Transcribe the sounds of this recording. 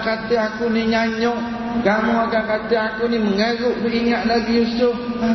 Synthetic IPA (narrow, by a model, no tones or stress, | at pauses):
kat̪ɪakuniɲaɲɔʔ | ɡamɔaɡakat̪ɪakuniməŋəɾʊʔbəiŋat̪̚laɡijusʊb̚